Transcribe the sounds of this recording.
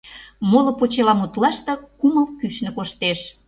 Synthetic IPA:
molopot͡ɕelɑmut̪lɑʃt̪ɤ̆kuməlkyʃnə̆koʃt̪eʃ

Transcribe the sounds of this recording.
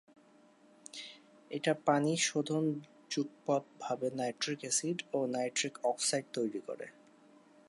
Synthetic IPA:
eʈapaniʃod̪ʱon | d͡ʑuɡ̚pɔt̪̚bʱabenajʈɾikesiɖonajʈɾikɔksajɖt̪ojɾiko̰ɾḛ

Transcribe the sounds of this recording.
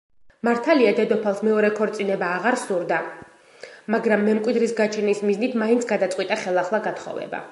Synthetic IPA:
maɾt̪ʰaliad̪ɛd̪ɔpʰalˠsmɛɔɾɛkʰɔɾt̪sʼinɛbaːʁaɾsuɾd̪a | maɡɾamːɛmkʼwid̪ɾisɡat͡ʃʰɛnismiznit̪ʰmaint̪sʰɡad̪at̪sʼwit̪ʼaχɛlˠaχlˠaɡat̪ʰχɔ̰vɛ̰ba̰

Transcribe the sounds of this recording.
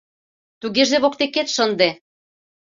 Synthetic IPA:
t̪uɣeʒeβok̚t̪eket̪ʃənd̪e

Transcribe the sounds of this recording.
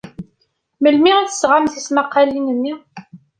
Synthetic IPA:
məlmiʁæθə̥sʁamθismaqːalinənːi

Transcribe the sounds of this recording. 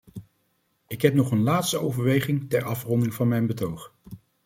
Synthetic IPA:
ɪkɦɛp̚nɔχənlaːtstəowvəɹʋejχɪŋtɛɹɑfrɔndɪŋvɑnmɛjnbətowχ

